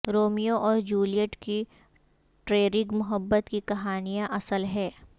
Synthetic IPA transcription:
ɾoːmijoʔɔːɾd͡ʒuːlijəʈki | ʈɾeːɾɪɡmʊɦəbːət̪kikɐɦaːnijãʔɐsəlɦɛː

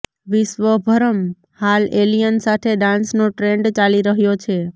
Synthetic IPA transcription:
ʋɪʃʋəbʱəɾəm | halelijənsat̪ʰeɖãnsnoʈɾeɳɖt͡ʃaliɾəɦjot͡ʃʰe

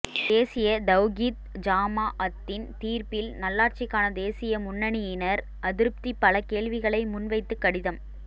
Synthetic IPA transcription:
d̪eːsɪjɐd̪ɐʋɣiːt̪d͡ʒaːmaːʔɐt̪ːɪnt̪iːɾpɪlnɐlːaːɾt͡ʃɪkːaːnɐd̪eːsɪjɐmʊnːɐɳɪjɪnɐɾ | ʔɐðɪɾɯp̚t̪ipːɐlɐkeːɭʋɪɣɐɭɐɪmʊnʋɐɪt̪ːɯkːɐɽɪðɐm

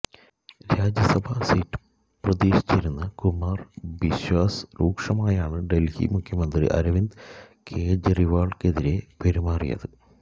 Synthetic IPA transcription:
ɾaːd͡ʑjɐsɐbʱaːsiːʈːɨ̥ | prɐðeːɕi̥t͡ɕːeɾunːɐkumaːrbiɕwaːsruːkʂɐmaːjaːɳɨɖe̞lhḭmukʰjɐmɐnd̪rḭʔɐ̰ɾɐʋind̪kʰeːd͡ʑriʋaːɭkeðiɾe̞peɾimaːrḭjɐ̰ðɨ

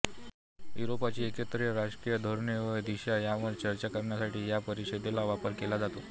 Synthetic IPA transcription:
juɾopat͡ɕiːekət̪ɾijəɾaɕkijəd̪ʱoɾɳeʋəjd̪iɕajaʋəɾt͡ɕəɾt͡ɕakamnjasaʈiːjapəɾiɕed̪elaʋapəɾkelad͡zat̪o

